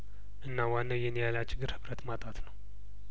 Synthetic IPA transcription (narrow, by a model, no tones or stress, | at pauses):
ʔɨnːawanːəjɛnjalat͡ʃʼɪɡɨɾhɨβɾət̪mat̪ʼat̪nəw